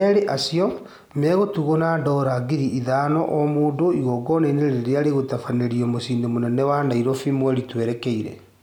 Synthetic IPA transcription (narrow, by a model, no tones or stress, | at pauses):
ɛɾeʔasiɔ | mɛɣotuɣɔnandɔɾaɡiɾiʔiðanɔʔɔmoːndoiɣɔɡɔneneɾeɾeaɾeɣotafaneɾiɔmosindemonɛnɛwanaiɾɔfimwɛɾitwɛɾɛkɛiɾɛ̰